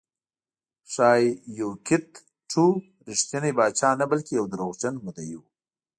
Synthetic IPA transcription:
ʂɑːjjokɪt̪ | ʈʰu | ɾɪʂt̪janebɑːt͡ʃɑːnabalkejawd̪əɾoɣt͡ʃanmud̪ajiw

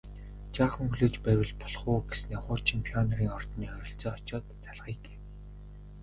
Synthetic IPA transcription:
t͡ɕaːχə̆ŋxuɮeːt͡ɕpæːwʲɪ̆ɮpɔ̥ɮχuːɡesneːχʊːt͡ɕʰɪmpʰiɔnɔriːŋɔr̥t̪niːœɾʲɪ̆ɬt͡sɔːɔt͡ɕɔːt̪t͡saɮʁiːɡe̥ː

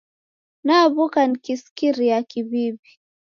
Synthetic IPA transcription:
naβukanikiskiɾijakiβibi

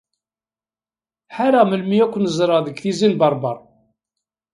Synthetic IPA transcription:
ħaɾæməlmiækʷːənəzˤɾˤɑðəɡθizinbɑɾˤbɑɾˤ

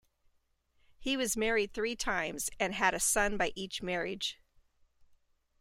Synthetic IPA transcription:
hiwʌzmɛɹid̪̚θɹitʰãɪ̃mz̥ɨ̃nɨɾɨsʌ̃nbaɪʔit͡ʃmɛɹɪd̥ʒ̥

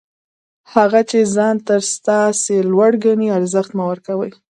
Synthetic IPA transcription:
haɣat͡ʃezɑnt̪əɾst̪ɑselwaɽɡaniaɾzəxt̪mawəɾkawəj

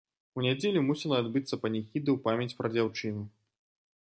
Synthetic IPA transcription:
unʲad͡zʲelʲumusʲɛlˠɐad̪bɨt̪sːɐpɐnʲɛxʲid̪ɨwpamʲjɐt͡sʲpɾɐd͡zʲawt͡ʂɨnu

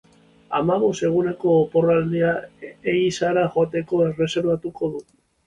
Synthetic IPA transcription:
amaβo̞se̞ɣ̞une̞ko̞ːpo̞rald̪iaeisaɾaʝoat̪e̞ko̞e̞re̞se̞ɾβat̪uko̞ðu

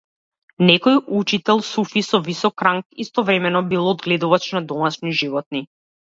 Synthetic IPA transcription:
nɛkɔjut͡ʃit̪ɛlˠsufisɔvisɔkɾaŋkist̪ɔvɾɛmɛnɔbilˠɔd̪ɡlɛd̪uvat͡ʃnad̪ɔmaʃniʒivɔt̪̚ni

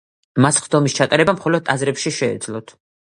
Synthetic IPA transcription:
masχd̪ɔmist͡ʃʰat̪ʼaɾɛbamχɔlɔd̪ʼazɾɛpʃiʃɛ̰ːd̪zlˠɔt̪ʰ

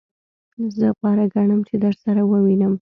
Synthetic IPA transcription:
zəpɑɾaɡaɳəmt͡ʃed̪əɾsaɾawəwinəm

